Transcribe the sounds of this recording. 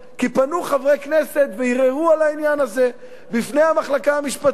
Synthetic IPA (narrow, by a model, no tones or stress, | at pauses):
kipanuχavʁekne̞se̞t̪veiʁeʁualainjanaze̞ | bifnejhamaχlakaamiʃpat̪